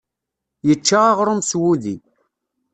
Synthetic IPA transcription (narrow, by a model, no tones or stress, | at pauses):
jət͡ʃːaaʁɾˤʊmswuði